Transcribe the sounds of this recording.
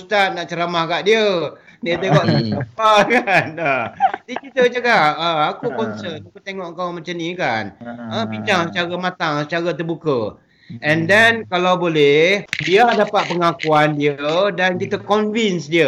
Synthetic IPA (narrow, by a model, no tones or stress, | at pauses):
ust̪at̪̚naʔt͡ʃəɾamahɡaʔdiə | nit̪eŋɔʔəəpakanədid͡ʒit̪əld͡ʒəkaəakukɔnsənakut̪eŋɔʔkawmat͡ʃamnĩkanəpiɲd͡ʒaŋsət͡ʃaɾamãt̪aŋsət͡ʃaɾat̪ərbukə | ɛndɛnkalawbolɛhbiadapat̪̚pəŋakuandiədankit̪əkɔnvinsdiə